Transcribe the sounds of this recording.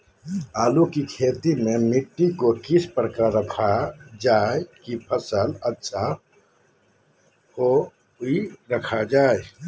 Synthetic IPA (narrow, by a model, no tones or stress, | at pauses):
aːlukikʰet̪imemiʈːikokispəɾəkaɾəkʰad͡ʒaekipʰəsələt͡ʃʰa | ho | uiɾəkʰad͡ʒaːe